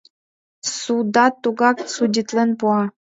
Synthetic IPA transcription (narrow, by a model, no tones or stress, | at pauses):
sud̪ɑt̪ːuɡɑk̚sudʲit̪lenpuɑ